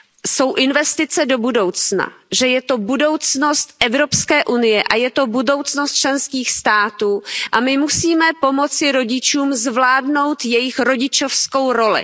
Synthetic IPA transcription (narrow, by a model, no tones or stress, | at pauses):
so̞wʔɪnvɛst̪ɪt͡sɛdo̞budo̞wt͡sna̰ʒɛjɛt̪o̞budo̞wt͡sno̞st̪ʔɛvɾo̞pskɛːʔunɪjɛʔajɛt̪o̞budo̞wt͡snost̪̚t͡ʃlɛnskiːxst̪aːt̪uːʔamɪmusiːmɛpo̞mo̞t͡sɪɾo̞ɟɪt͡ʃuːmzvlaːdno̞wt̪jɛjɪxɾo̞ɟɪt͡ʃo̞fsko̞wɾo̞lɪ̰